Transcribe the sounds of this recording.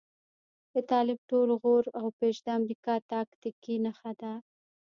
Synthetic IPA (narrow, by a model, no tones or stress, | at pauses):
d̪ət̪ɑlɪb̚ʈolɣoɾawpeʃd̪əamɾikɑt̪ɑkt̪ikinaxad̪a